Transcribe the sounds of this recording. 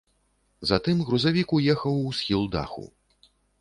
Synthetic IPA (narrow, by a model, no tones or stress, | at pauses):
zat̪ɨmɣɾuzavʲikujɛxɐwusʲxʲilˠd̪a̰xṵ